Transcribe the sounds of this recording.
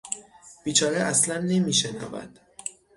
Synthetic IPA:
b̥iːt͡ʃʰɒːɾeʔæslænːe̞miːʃenæ̰væ̰d̪̥

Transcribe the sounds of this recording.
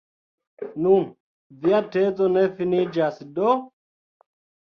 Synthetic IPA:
num | vɪjatɛːt͡sʼɔnɛfɪniːd͡ʒaːsɪdɔ

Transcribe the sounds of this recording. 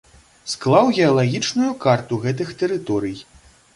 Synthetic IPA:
sklˠawɣʲɛɐlˠaɣʲit͡ʂnujukart̪uɣɛt̪̬ɨxt̪ɛɾɨt̪ɔɾɨj

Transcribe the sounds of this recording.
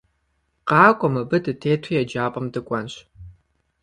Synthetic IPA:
qɑːkʷʼɔmɐbɨdɨtʰeːtʷʰijad͡ʒaːpʼɐmdɨkʷʼanɕ

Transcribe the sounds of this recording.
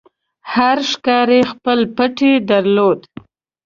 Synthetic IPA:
haɾʃkɑɾexpəlpəʈed̪aɾlod̪

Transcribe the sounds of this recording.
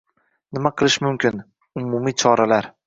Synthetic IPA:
nɪmaqʰɨlˠɪʃmʊmkʲɪn | ʊmumit͡ʃʰɒɾalaɾ

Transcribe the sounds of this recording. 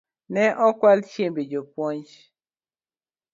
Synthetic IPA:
nɛʔɔkwalt͡ʃembed͡ʒopwɔɲd͡ʒ

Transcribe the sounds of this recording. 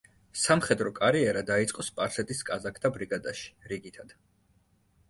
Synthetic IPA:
samχɛd̪ɾɔkʼaɾiɛɾad̪ait̪sʼqʼɔspʼaɾsɛt̪ʼiskʼazakʰd̪̥abɾiɡad̪aʃi̥ɾiɡit̪ʰad̪̥

